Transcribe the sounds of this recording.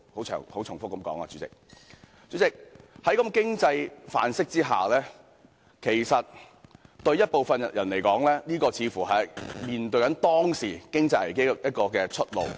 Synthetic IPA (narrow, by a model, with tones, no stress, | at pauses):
ho˨˥wʰœ̰ː˨˩ŋho˨˥wt͡sʰʊ˨˩ŋfʊ˥k̚ːɐ˨˦mkɔː˨˥ŋa̰ː˧t͡ʃyː˨˥t͡sɪ̰˨k̚ | t͡ɕy˨˥t͡sɪ˨k̚hɐ˨˥jkɐ˧mkɪ˥ŋt͡sɐ˧jfa̰ː˨nsɪ˥k̚t͡siː˥ɦa̰ː˨˩lɛː˥ | kʰe˨˩jsɐ˨t̚ | t̪ɵ˧ɥjɐ˥t̚po˨wfɐ˨˧nɐ˨jɐ˨˩nle˨˩jkɔː˨˥ŋlɛː˥niː˥kɔː˧t͡sʰiː˨˧˥fuː˨˩ɦɐ˨jmiː˨nt̪ɵ˧kɐ˨˥nt̪ɔː˥ŋsiː˨˩kɪ˥ŋt͡sɐ˧jlɐ˨˩jke˥˨jɐ˥t̚kɔː˧kɛː˧t͡ʃʰɵ˥t̚lo̰˨w